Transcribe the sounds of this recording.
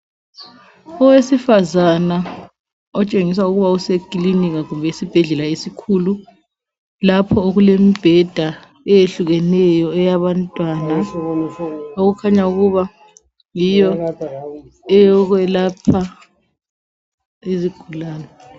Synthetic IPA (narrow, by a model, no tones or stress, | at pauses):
ɔwesifazana | ɔt͡ʃʼeŋis̬auɣuβausekʼiliniɣaɣumbʱɛisib̥ʱɛɮɛlaesikʰulu | lapʰɔoɣulemib̥ʱɛd̥ʱa | ɛjeɬuɣɛnɛjɔɛjaβantʼwana | oɣukʰaɲauɣuβa | jijɔ | ɛjɔɣwɛlapʰa | iziɡ̥ʱulaːnɛ